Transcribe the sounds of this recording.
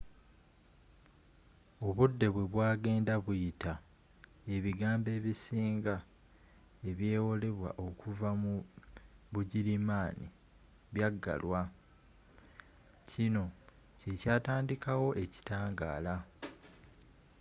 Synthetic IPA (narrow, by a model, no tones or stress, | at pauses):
o̞βudːe̞βwe̞βwaːɡe̞ːndaβujita | e̞βiɡaːmbe̞ːβisiːŋɡa | e̞βje̞ːwo̞le̞βwa̰ʔo̞kuvamu | βuɟiɾimaːnḭ | βjaɡːa̰lwa | cino̞ | ce̞caːtaːndikawo̞ʔe̞ci̥taːŋɡa̰ːla